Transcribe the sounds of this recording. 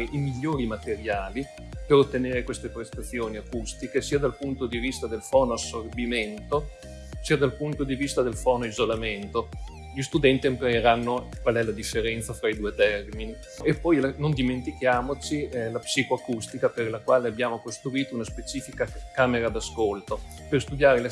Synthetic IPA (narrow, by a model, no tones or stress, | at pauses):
ʔimiʎːoːɾimat̪eɾjaːli | peɾot̪ːeneːɾekwest̪epɾest̪at̪sːjoːniakust̪ikesiːad̪alpunt̪od̪ivist̪ad̪elfɔːnoasːorbiment̪o | siːad̪alpunt̪od̪ivist̪ad̪elfɔːnoizolament̪o | ʎist̪ud̪ɛnt̪iempaɾeɾanːokwalɛlad̪ifːeɾɛnt̪safɾaid̪uːet̪ɛrmini | epːɔjlanond̪iment̪ikjaːmot͡ʃilapsiːkoakust̪ikaperlakwaːleabjaːmokost̪ɾuiːt̪ounaspet͡ʃiːfikakaːmeɾad̪askolt̪o | perst̪ud̪jaːɾel